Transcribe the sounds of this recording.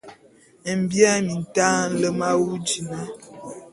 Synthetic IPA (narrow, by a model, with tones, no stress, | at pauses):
m̩˨bja˦mi˨n̩˨taː˦n̩˦lə˦ma˦wu˦d͡ʒi˨na˦